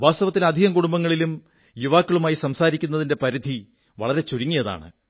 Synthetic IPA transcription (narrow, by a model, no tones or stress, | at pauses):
ʋaːst̪ɐʋɐt̪ːilɐd̪ʱiɣɐmkuɽumbɐŋːɐɭilum | juʋaːkːɐɭumaːjisɐmsaːɾikʲːunːɐðinde̞pɐɾid̪ʱi | ʋɐ̰ɭɐɾe̞t͡ɕuɾiŋːijɐða̰ːɳɨ̰